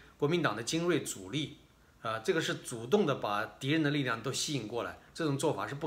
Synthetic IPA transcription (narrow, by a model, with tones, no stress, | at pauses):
kwɔ˧˥mi˧˥nt̪ɑ˨˩ŋd̪ə˦t͡ɕi˥nwe˥˩ɪt͡su˨˩li˥˩ | ə˧ʈ͡ʂɤ˥˩ɡə˩ʂɻ̩˥˩t͡su˨˩t̪ʊ˥˩ŋd̪ə˩pa˨˩t̪i˧˥ɻə˧˥nd̪ə˧li˥˧ljɑ˥˩ŋt̪o˥ʊɕi˥i˥˧ŋkwɔ˥˩la̰˧˥ɪʈ͡ʂɤ˥˩ʈ͡ʂʊ˨˩ŋt͡swɔ˥˩fa̰˨˩ʂɻ̩˥˧p̬u˥˩